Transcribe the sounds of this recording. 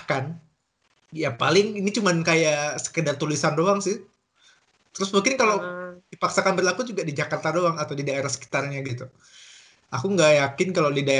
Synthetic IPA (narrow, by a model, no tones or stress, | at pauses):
kan | japalɪŋinit͡ʃumankajasə̥kədart̪ulisandoaŋsɪh | t̪əɾʊsmuŋkɪnkalawdipaksakanbərlakud͡ʒuɡadid͡ʒakart̪adoaŋat̪awdidaeɾahsə̥ki̥t̪arɲaɡit̪u | akuŋɡajakɪnkaladida